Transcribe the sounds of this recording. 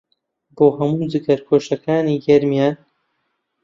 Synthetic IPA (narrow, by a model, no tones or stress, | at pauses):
boːɦɐmuːd͡zɨkɐɾkʰoːʃɐkaːniːɡɐɾmijaːn